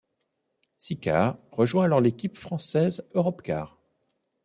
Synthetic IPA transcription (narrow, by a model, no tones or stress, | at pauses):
sika̰ʁʁəʒwɛ̃alɔʁlekʲipfχɑ̃sɛzøʁɔpka̰ːʁ